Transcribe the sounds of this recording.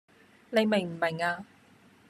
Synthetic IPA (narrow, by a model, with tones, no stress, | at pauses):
ne˨˧jme˨˩ŋm̩˨˩me˨˩ŋaː˧